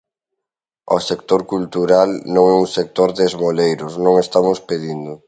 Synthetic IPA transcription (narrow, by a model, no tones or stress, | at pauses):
osek̚t̪oɾkult̪uɾalnõŋɛuŋsek̚t̪oɾðezmolejɾʊsnõŋest̪amʊspeðind̪ʊ